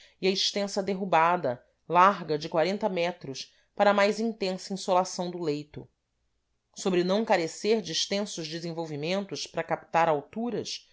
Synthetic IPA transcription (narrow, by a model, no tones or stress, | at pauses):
iɐiʃt̪ẽsɐd̪eɦubad̪ɐ | laɦɡɐd͡ʒɪkwaɾẽnt̪ɐmɛt̪ɾʊʃ | paɾɐmajzĩnt̪ẽsɐĩsolasɐ̃w̃d̪ʊlejt̪ʊ | sobɾɪnɐ̃w̃kaɾeseɾd͡ʒɪːʃt̪ẽsʊʒd͡ʒɪzẽvowvimẽnt̪ʊʃpɾɐkap̚t̪aɾawt̪uɾɐʃs